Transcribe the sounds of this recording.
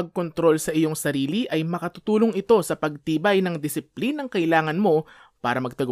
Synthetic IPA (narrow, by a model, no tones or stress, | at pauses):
ɐɡ̚kont̪ɾo̞lsɐʔɪjo̞ŋsɐɾiːliʔɐjmɐkɐt̪ʊt̪uːloŋɪt̪o̞sɐpɐɡ̚t̪iːbɐjnɐŋd̪ɪsɪplinɐŋkɐʔɪlaːŋɐnmo̞ | paːɾɐmɐɡ̚t̪ɐɡ